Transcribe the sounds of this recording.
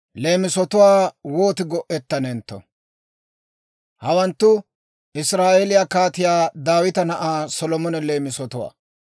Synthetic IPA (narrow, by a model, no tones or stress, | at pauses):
le̞ːmɪsɔt̪ʊwaːwoːt̪ɪɡɔʔɛt̪ːɐnɛnt̪ːɔ̰ | hɐwɐnt̪ːʊ | ʔɪsɾaːʔɛlɪjakaːt̪ɪjaːd̪aːwɪt̪ɐnɐʔaːsɔlɔmɔnɛleːmɪsɔt̪ʊwa̰ː